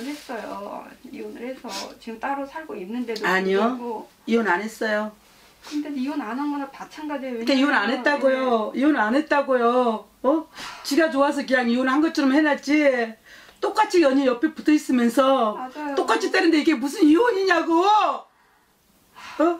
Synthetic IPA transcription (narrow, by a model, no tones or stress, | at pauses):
anes͈ʌjoionɯesʰʌt͡ɕiɡɯmt͈aɾosʰaɭɡoinːɯnde̞doaɲioɡo | ionanɦe̞s͈ʌjo | kɯndeionanʌnɡʌnapat͡ɕʰanɡadejoekeionanɦe̞t͈aɡojoionanɦe̞t̚t͈aɡojo | ʌt͡ɕiɡat͡ɕoas̬ʰʌkɯɲaŋionhanɡʌt̚t͡ɕʰʌɾʌmhenat͡ɕ͈i | t͈ok͈at͡ɕʰiʌɲijʌpʰiputʰʌis͈ɯmjʌnsʰʌad͡ʑajot͈ok͈at͡ɕʰit͈enɯndeiɡe̞mus̬ʰɯnioɲiɲaɡo | ʌ